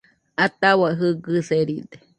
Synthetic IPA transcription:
at̪awaɦɨɡɨseɾid̪e̥

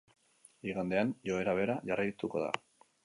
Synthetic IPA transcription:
iɣand̪e̞anjo̞eɾaβ̞e̞ɾaʝarajt̪uko̞̰ða̰

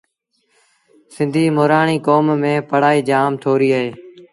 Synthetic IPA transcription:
sɪ̃nd̪ʱiːmoːɾaːɳiːkoːmːẽːpəɽ̤aːiːd͡ʒaːmt̪ʰoːɾiːəɦeː

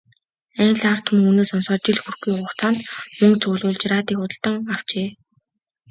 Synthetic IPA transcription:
æŋɮar̥t̪ʰum̆ŋunoːsɔnsɔːt͡ɕɪ̆ɮxurɡuːʊχt͡saːnt̪mɵŋt͡sʰʊːɮʊːɮt͡ɕraːt̪iːkʊt̪ə̆ɬt̪ə̆ŋaw̥t͡ɕeː

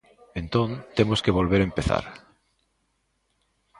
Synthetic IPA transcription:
ẽnt̪õnt̪emoskeβolβ̞eɾempeθa̰ɾ

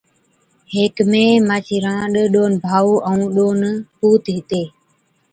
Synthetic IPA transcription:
ɦeːkmẽːmãːt͡ʃʰiːɾãːɗəɗoːnbʱaːuːʔəũːɗoːnpuːt̪ɦɪt̪eː

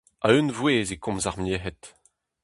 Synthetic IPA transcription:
a̰ynvweːzekɔ̃mzaʁmjeɦɛt̪

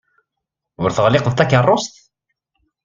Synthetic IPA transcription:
ʊɾθəʁlɪqðt̪ækərˤːost̪

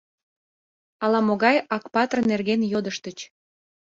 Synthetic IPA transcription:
ɑlɑmoɣɑjɑkpɑt̪rnerɣenjod̪əʃt̪ət͡ɕ

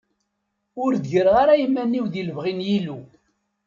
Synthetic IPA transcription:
ʊɾðʝəɾʁaɾajəmːænːiwðiləvʁinjilu

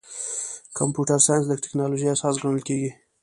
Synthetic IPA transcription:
kampjuʈaɾsɑjanslək̚ʈɪ̥knɑloʒiasɑsɡɑɳəlkeɡi

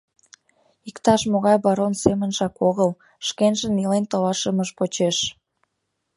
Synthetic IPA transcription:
ikt̪ɑʃmoɣɑjbɑɾonsemənʒɑkoɣəl | ʃkenʒənilent̪olɑʃəməʃpot͡ɕeʃ

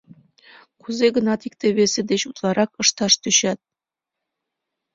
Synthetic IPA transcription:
kuzeɡə̆nɑt̪ikt̪eβesĕd̪eɕut̪lˠɑɾʔɑkɤ̆ʃt̪ɑʃt̪øɕæt̪̚

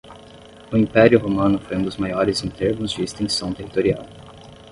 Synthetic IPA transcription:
ʊĩpɛɾjʊɦomɐ̃nʊfojũd̪ʊzmajɔɾɪzĩt̪eɾvʊ̃zd͡ʒɪːst̪ẽsɐ̃w̃t̪ehit̪oɾia̰w

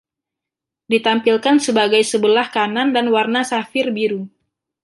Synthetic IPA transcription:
dit̪ampilkansəbaɡajsəbəlahkanandanwarnasafɪrbiɾu

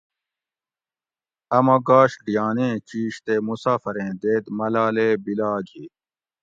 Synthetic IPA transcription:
ɐmɐɡaːɕɖijaːnẽːt͡ɕiːɕt̪eːmusaːfɐɾẽːd̪eːt̪mɐlaːleːbilaːɡʱi

